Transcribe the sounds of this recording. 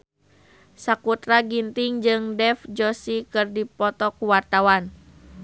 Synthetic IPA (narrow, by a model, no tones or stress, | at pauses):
sakut̪ɾaɡint̪iŋd͡ʒɨŋdɛfd͡ʒɔsikɨrdipɔt̪ɔkuwart̪awan